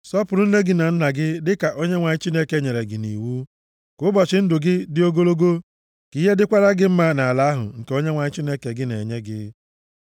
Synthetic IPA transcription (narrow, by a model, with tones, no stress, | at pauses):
sɔ˦pʊ˨ɾʊ˦n̩˦le˦ɡɪ˦na˨n̩˦na˨ɡɪ˦dɪ˦ka˨ʔo˦ɲe˦ŋʷa˨ɲɪ˦t͡ʃi˦ne˦ke˦ɲe˨ɾe˨ɡɪ˨nḭ˨wu˦ | kʊ˦bɔ˨t͡ʃɪ˨n̩˦dʊ˨ɡɪ˦dɪ˦o˦ɡo˦lo˦ɡo˦ | ki˦ɦe˦dɪ˦kʷa˦ɾa˦ɡɪ˦m̩˦ma˦na˨a˨la˨˦a˦ɦʊ̰˨ŋ̩˨ke˨o˦ɲe˦ŋʷa˨ɲɪ˦t͡ʃi˦ne˦ke˨ɡɪ˦ne˨ɲe˦ɡɪ̰˦